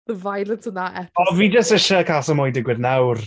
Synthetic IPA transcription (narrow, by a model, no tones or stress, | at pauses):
ðəvajlˠətʰənaʔɛɔlˠviːd͡ʒəstɪʃəkʰasəmɔjdɪɡwɪðnawr